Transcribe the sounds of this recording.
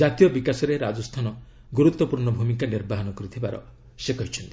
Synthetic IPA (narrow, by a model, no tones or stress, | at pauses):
d͡ʒat̪ijɔbikasɔɾeɾad͡ʒɔst̪ʰanɔ | ɡuɾut̪wɔpuɾnɔbʱumikaniɾbaɦɔnɔkɔɾit̪ʰibaɾɔ̰ | sekɔɦit͡ʃʰɔnt̪i̥